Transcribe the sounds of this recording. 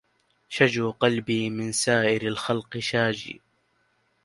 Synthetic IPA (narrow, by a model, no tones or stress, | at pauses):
ʃad͡ʒuːqɑlbiːmɪnsaːʔɪɾalxɑlqɨʃaːd͡ʒḭː